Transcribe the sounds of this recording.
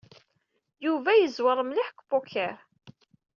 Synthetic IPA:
juvæjəzwəɾˤmliħəkʷbukːæɾ

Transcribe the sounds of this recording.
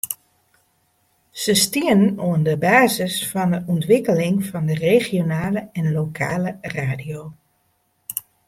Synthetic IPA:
z̥əstiənnoəndəbaːzəsfɔndəʔɔntʋɪkəlɪŋvɑndəreːχjonaːləɛnlokʰa̰ːləraːdijoː

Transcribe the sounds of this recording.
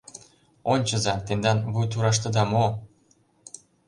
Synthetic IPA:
onʲt͡ɕɤ̆zɑt̪end̪ɑnβujt̪̬uɾɑʃ̬t̪ɤ̆d̪ɑmo

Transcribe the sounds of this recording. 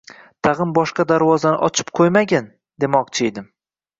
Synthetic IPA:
t̪ʰaʁɨmbɒʃqɑd̪aɾvɒzanɪ̰ʔɒt͡ʃʰɪ̥p̚qʰojmaɡʲan | d̪e̞mɒqt͡ʃʰɪjd̪ɪm

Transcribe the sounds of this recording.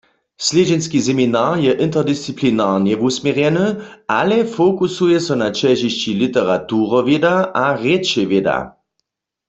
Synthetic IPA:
sled͡ʑɛnskisɛminaːʁjɛʔint̪ɛʁd̪ist͡siplinaʁnjɛʋusmjɛʁjɛnəʔa̰lɛfokusujɛsɔnat͡ʃɛʒiɕt͡ɕilit̪ɛʁatuːʁɔʋjedaʔaʁet͡ʃɛʋjeda̰

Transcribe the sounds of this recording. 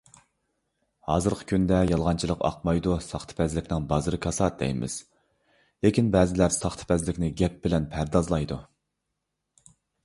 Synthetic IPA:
hɑːzɨɾqʰə̥kʲʰynd̪ɛjɑlˠʁɑnt͡ʃʰilˠəqʰɑ̰q̚mɑjd̪usɑχt̪ʰɨ̥pʰɛzlɪkʲnɪŋbɑzɨɾɨkʲʰɑsɑd̪ɛ̰jmʔɪ̰z̥ | lekʲinbɛːzɪlæɾsɑχt̪ʰɨ̥pʰɛzlɪkʲnɪɡʲɛp̚bɪlɛnpʰæɾd̪ɑzlˠɑjd̪u

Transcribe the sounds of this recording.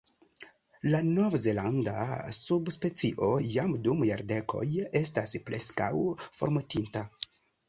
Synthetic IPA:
lano̞vze̞landa̰subspe̞t͡siʔo̞jamdumjaɾde̞kʰo̞̰je̞s̬taspɾe̞ska̰wfo̞ɾmutinta

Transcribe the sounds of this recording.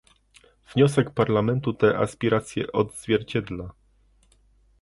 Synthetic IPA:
v̥ɲɔsɛkpaɾlamɛnt̪ut̪ɛʔa̰spʲiɾat̪sʲjɛ̰ʔɔd̪zvʲjɛɾt͡ɕɛd̪la

